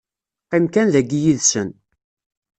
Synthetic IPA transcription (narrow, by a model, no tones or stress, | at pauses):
qimkænðæɡijiðsən